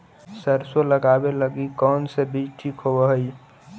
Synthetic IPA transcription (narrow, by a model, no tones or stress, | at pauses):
səɾsoləɡabeləɡikɔnsebid͡ʒʈʰikʰɦobəɦəj